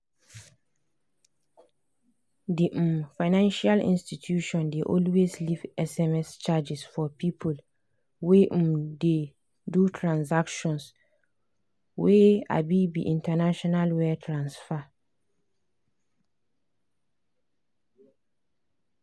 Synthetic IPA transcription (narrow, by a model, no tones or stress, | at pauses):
diʔ̩mfanãnʃalḭ̃nstitʰjuʃɔ̃ndeʔɔlweslivɛsɛmɛst͡ʃad͡ʒɪsfɔpʰipʰul | weʔ̩de | dutʰɹãnsakʃɔ̃ns | wea̰bibḭʔĩntʰanaʃɔnalwɛtʰɹãnsfa